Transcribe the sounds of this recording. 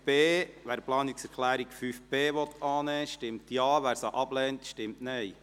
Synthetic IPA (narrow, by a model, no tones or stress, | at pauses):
b̥eːʋæːɾplɑːniksɛɾkʰlæːɾikfyfb̥eːʋɔtʰːɑːnɛːʃtɪmtjɑːʋæːɾsɑʔɑblɛːntʃtɪmtnɛj